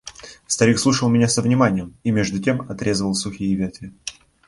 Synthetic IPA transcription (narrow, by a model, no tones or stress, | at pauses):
st̪ɐɾʲikslˠuʂəlˠmʲɪnʲasəvnʲɪmanʲɪjəmimʲe̞ʐd̪ʊtʲe̞mɐt̪ɾʲe̞zəvəlˠsʊxʲijɪvʲe̞t̪vʲɪ